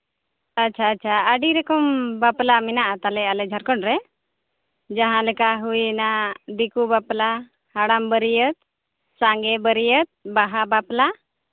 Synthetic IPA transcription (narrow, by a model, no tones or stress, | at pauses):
atːt͡ʃʰaːtːt͡ʃʰaəɖiɾɛkɔmbaplamɛnaʔat̪alɛalɛd͡ʒʱaɾkɔnɾɛ | d͡ʒaɦãlɛkaɦujnad̪ikubapla | haɽambəɾijət̪̚ | saŋɡɛbəɾijət̪̚baɦabapla